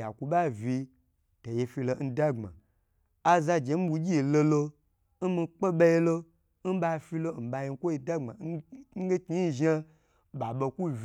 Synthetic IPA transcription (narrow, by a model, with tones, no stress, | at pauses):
a̰˨ku˧ɓa˦vi˧ | to˨je˧fi˧lo˨n̩˦da˦ŋ͡ma̰˨ | a˦za˧d͡ʒe˨˦m̩˦bu˧ɡʲi˦i˨lo˧lo˧ | n̩˦mi˧k͡pe˦ɓa˧ji˦lo˦ | n̩˦ɓa˧fi˧lo˦n̩˨ba˧ji˧˦kʷo˦i˧da˦ŋ͡ma̰˨˦ɡe˦ki˦i˦ʒa˦ | ɓa˨ɓo˧kʷu˦v